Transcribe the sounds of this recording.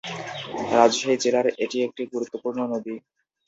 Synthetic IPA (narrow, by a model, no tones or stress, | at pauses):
ɾad͡ʑʃaid͡ʑelaɾeʈiek̚ʈiɡuɾut̪ːopuɾnonod̪i